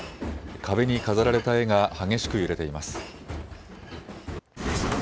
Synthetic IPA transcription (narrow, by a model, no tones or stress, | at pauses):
kʰabe̞ɲ̟ikazaɾaɾe̞t̪ae̞ŋahaɡe̞ɕi̥kɯ̟jɯ̟ɾe̞t̪e̞imasɨ̥